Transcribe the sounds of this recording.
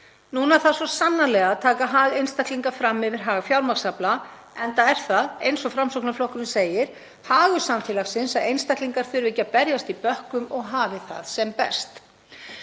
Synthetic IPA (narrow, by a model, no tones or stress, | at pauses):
nuːnaθasɔsanːalɛɣaːðt̪ʰaːkaɦaːɣejnst̪ahk̪liŋkafɾamːɪvɪɾ̥ɦaːɣfjawɾmaksapla | ɛnt̪aɛɾ̥θaðejnsɔfɾamsowknaflɔhkʏɾnɪseːjɪɾ̥ | haːɣʏsamfɛːlaɣsɪnsaðejnst̪ahkliŋkaɾ̥fʏɾvɪcːapɛɾjast̪ipœhkʏmɔɣɦaːvɪθa̰ðsɛmpɛ̰st̪